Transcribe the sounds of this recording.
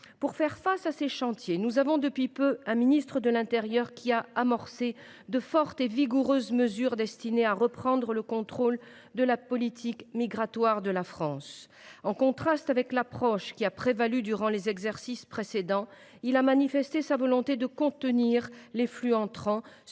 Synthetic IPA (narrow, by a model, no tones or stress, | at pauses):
puʁfɛʁfasaseʃɑ̃t̪jenuzavɔ̃d̪əpɥipøɛ̃minist̪χəd̪əlɛ̃t̪eʁjœʁkʲʰiaamɔʁse | d̪əfɔʁt̪eviɡuʁøzməzyʁd̪ɛst̪ineaʁəpχɑ̃d̪ʁələkɔ̃t̪χol | d̪əlapɔlit̪ʰikmiɡʁat̪waʁd̪əlafχɑ̃s | ɑ̃kɔ̃t̪χast̪avɛklapχɔʃkʲiapχevalyd̪yʁɑ̃lezɛɡzɛʁsispχesed̪ɑ̃ | ilamanifɛst̪esavɔlɔ̃t̪ed̪əkɔ̃t̪əniʁleflyɑ̃t̪χɑ̃